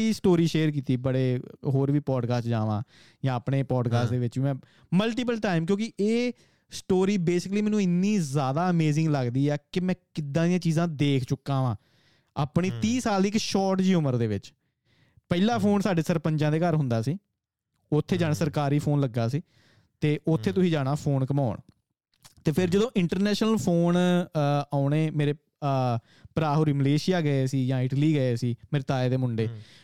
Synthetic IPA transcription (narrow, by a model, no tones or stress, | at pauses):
iːsʈoːɾiːʃeːɾk̬iːt̪iːbəɽeːɦoːɾʋiːpɔːɖkaːsʈd͡ʒaːʋã̰ː | jãːəpɳeːpɔːɖkaːsʈd̪eːʋɪt͡ʃʋiːmɛ̃ː | məlʈiːp̬əlʈaːɪmk̬jõːkɪʔeː | sʈoːɾiːbeːsɪk̬liːmɛːnũːɪnːiːzjaːd̪aːəmeːzɪ̃ŋɡləɡd̪iːɛːkɪmɛ̃ːkɪd̪ãːd̪ɪjãːt͡ʃiːzãːd̪eːkʰt͡ʃʊkːãːʋãː | a̰ːpɳ̃iːt̪iːsaːlɪkʃɔːʈd͡ʒiːʊməɾd̪eːʋɪt͡ʃ | pɛilaːpʰoːnsaːɖeːsəɾpəɲd͡ʒãːd̪eːkəɾɦʊ̃nd̪aːsiː | ʊt̪ʰːeːd͡ʒaːnːsəɾkaːɾiːpʰoːnləɡːaːsiː | t̪eːʔʊt̪ʰːeːt̪ʊsĩːd͡ʒaːɽaːpʰoːnkəmaːɳ | t̪eːpʰɪɾd͡ʒəd̪õːʔɪɳʈəɾnɛːʃnəlpʰoːn | aːʊneːmeːɾeː | pɾaːɦoːɾiːməleːʃɪjaːɡəeːsiːjãːɪʈliːɡəeːsiːmeːɾeːt̪aːeːd̪eːmʊɳɖeː